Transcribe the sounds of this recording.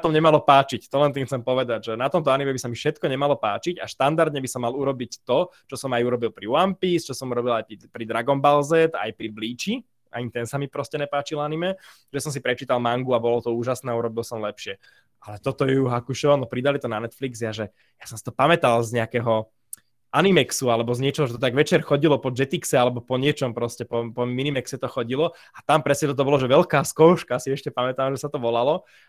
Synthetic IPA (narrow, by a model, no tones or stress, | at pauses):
t̪ɔmɲɛmalɔpaːt͡ʃict̪ɔlɛnt̪imxt͡sɛmpɔʋɛd̪aɟʒɛnat̪ɔmt̪ɔanimɛbisamifʃɛt̪kɔɲɛmalɔpa̰ːt͡ʃica̰ʃt̪and̪aɾd̪ɲɛbisɔmːaluɾɔbict̪ɔt͡ʃɔsɔmajuɾɔbilˠpɾiʊampist͡ʃɔsɔmuɾɔbilajipɾid̪ɾaɡɔmbalzɛt̪a̰jpɾibliːt͡ʃi | ʔa̰ɲit̪ɛnsamipɾɔscɛɲɛpaːt͡ʃilanimɛ | ʒɛsɔms̬ipɾɛt͡ʃiːt̪alˠmaŋɡuabɔlɔt̪ɔuːʒasnɛːauɾɔbilˠsɔmlɛpʃɪɛ | alɛt̪ɔt̪ɔjɛuɦakuʃɔʋanɔpɾid̪alit̪ɔnanɛt̪flikzjaʒɛ | jasɔmsi̥t̪ɔpamɛt̪alzɲɛakɛɦɔ | ʔanimɛksualɛbɔzɲɛt͡ʃɔɦɔʒɛt̪ɔt̪aɡʋɛt͡ʃɛɾxɔɟilɔpɔd͡ʒɛt̪iksɛalɛbɔpɔɲɪɛt͡ʃɔmpɾɔscɛpɔpɔminimɛksɛt̪ɔxɔɟilɔ | at̪ampɾɛsɲɛt̪ɔt̪ɔbɔlɔʒɛʋɛlkaːskɔʊʃkasiɛʃcɛpamɛt̪aːmʒɛsat̪ɔʋɔlalɔ